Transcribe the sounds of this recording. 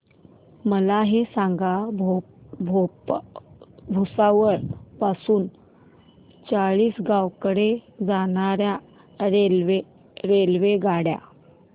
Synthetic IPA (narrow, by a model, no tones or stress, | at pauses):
məlaɦesãŋɡab | bʱo | bʱusaʋəɭpasuːn | t͡saɭiːsɡawkəɽed͡zanaɾja | ɾelʋe | ɾelʋeɡaɽja̰